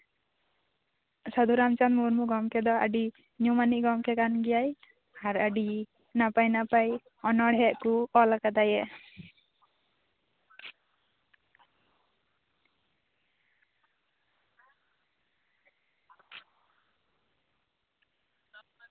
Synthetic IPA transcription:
sad̪ʱuɾamt͡ʃanmuɾmuɡɔmkɛd̪ɔaɖi | ɲumaniʔɡɔmkɛkanɡɛjaj | aɾaɖi | napajnapaj | ɔnɔɽɛʔkukɔlakad̪ajɛ

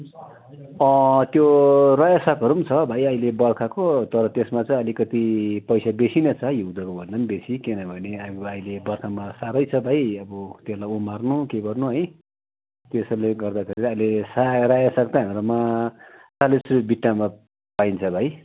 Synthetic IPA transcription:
ʌ̃t̪jorajasʌkɦʌɾumt͡sʰʌbʱajʌjlebʌrkʰakot̪ʌɾʌt̪esmat͡saĩʌlikʌt̪ipʌjsabesinʌt͡sʰajud̪ʌkobʱʌndʌmbesikenʌbʱʌneaailebʌrkʰamasaɾʌjt͡sʰʌbʱajʌbʌt̪eslajumarnukeɡʌrnuɦʌj | t̪esʌleɡʌrd̪akʰeɾiɾʌʌjlesarajasʌkt̪aɦamɾuma | salesuɾibiʈːama | paijnt͡sʰʌbʱaj

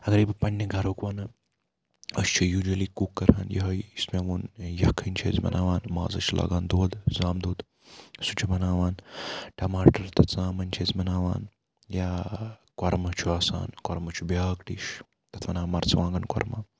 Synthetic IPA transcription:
ɐɡɐɾiːbpɐnːɐɡʱɐɾoːkʋɐnɨ | ɐst͡ʃʰijuːd͡ʒɐliːkukːɐɾɦa̰ːnjɐɦɐjismeʋoːnjɐkʰːɐnʲt͡ʃʰḛːzʲmɐ̰nʔaːʋaːnma̰ːzɐ̰t͡ʃʰulʔa̰ːɡaːnd̪oːd̪zaːmd̪uːd̪ | sut͡ʃʰibɐnaːʋaːnʈɐmaːʈɐɾt̪ɐt͡sãːmɐnʲt͡ʃʰeːzmɐnaːʋa̰ːn | jaːkwɐɾmɐt͡ʃʰuaːsa̰ːnkɐɾmɐt͡ʃʰubjaːkʈiːʃ | t̪ɐt̪ʰʋɐnaːmɐɾt͡sʋãːŋɡɐnkwɐ̰ɾmaː

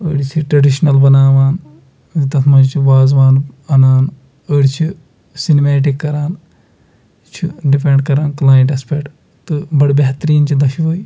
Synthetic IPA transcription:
əːɽit͡ʃʰiʈɾɐɖiʃnɐlbɐnaːʋaːn | d̪it̪ɐt̪ʰmɐd͡ʒt͡ʃʰiʋaːzʋaːnɐnaːn | əːɽit͡ʃʰi | sinmeːʈ̬ikːɐɾaːn | t͡ʃʰiɖipeɳɖkɐɾaːnklaːjɳʈɐspeʈ | t̪ɨbɐɽbeɦt̪ɾiːnt͡ʃʰid̪ɐʃiʋoːi

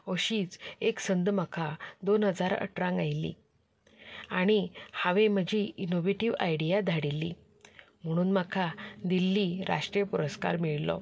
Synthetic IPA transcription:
oɕiːt͡seksənd̪məkʰad̪onɦəd͡zaɾə̰ʈɾãŋɡajlːḭ | aɽ̃ihaʋem̤əd͡ʑʱiːinoʋeʈiʋa̰jɽijad̪ʱaɽilːḭ | m̤əɽ̃uːnmakʰad̪ilːiːɾa̰ʂʈɾjpuɾəska̰ɾmiɭlɔ̰

